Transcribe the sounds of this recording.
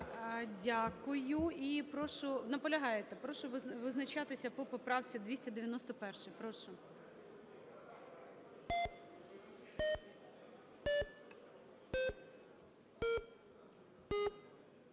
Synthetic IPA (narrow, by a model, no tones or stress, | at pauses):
dʲakʊjʊipɾɔʃʊnɐpɔlʲɐɦɑjet̪ɛpɾɔʃʊʋʋɪznɐt͡ʃɑt̪ɪsʲɐpɔpɔpɾɑwt͡sʲid̪ʋʲisʲtʲɐd̪eʋʲjɐnɔst̪ɔpɛrʃɪpɾɔʃʊ